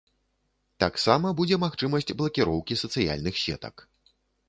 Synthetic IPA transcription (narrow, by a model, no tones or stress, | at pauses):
t̪aksamɐbud͡zʲɛmaxt͡ʂɨmɐsʲt͡sʲblˠɐkʲiɾɔwkʲisɐt̪sɨja̰lʲnɨxsʲɛ̰t̪ɐ̰k